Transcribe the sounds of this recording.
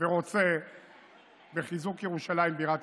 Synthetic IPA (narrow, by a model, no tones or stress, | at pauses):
veʁo̞t͡se̞ | be̞χizukjeʁuʃalaimbiʁat̪